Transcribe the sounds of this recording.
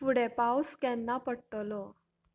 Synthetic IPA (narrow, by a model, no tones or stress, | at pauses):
fuɽepawskanːapəɽʈlɔ